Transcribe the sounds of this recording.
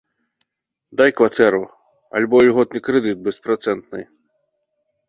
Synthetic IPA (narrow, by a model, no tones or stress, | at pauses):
d̪ajkvat̪ɛɾu | ɐ̰lʲbɔlʲɣɔt̪̚nɨkɾɛd̪ɨt̪̚bɛspɾat̪sɛnt̪nɨ̰j